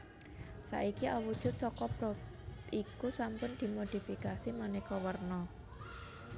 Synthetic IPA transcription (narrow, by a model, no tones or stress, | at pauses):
sa̰ʔikiʔawud̥ʒ̥ʊt̪̚sɔkɔbɾɔp | ikusampʊnd̪̥i̤mod̪̥i̤fikasimanehkɔwərnɔ